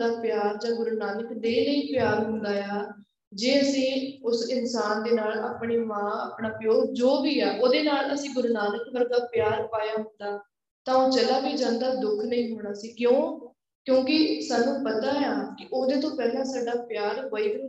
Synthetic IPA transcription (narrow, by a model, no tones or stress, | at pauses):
aːpjaːɾd͡ʒãːɡʊɾnaːnəkd̪eːləiːpjaːɾɦʊ̃ːnd̪aːjaː | d͡ʒeːəsĩːʊsɪnsaːnd̪eːnaːla̰ːpɳeːʋãːəpɳaːpjoːɾd͡ʒoːbiːaːʔoːd̪eːnaːləsĩːɡʊɾnaːnəkbəɾɡaːpɪjaːɾpaːjaːɦʊ̃nd̪aː | t̪ãːoːt͡ʃəlaːbiːd͡ʒãːnd̪aːd̪ʊkʰnəĩːɦoːɽ̃aːsiːkjõː | kjõːkɪsaːnːũːpət̪aːɦaːkɪʔoːd̪eːt̪õːpɛːlãːsaːɖaːpjaːɾʋəiːk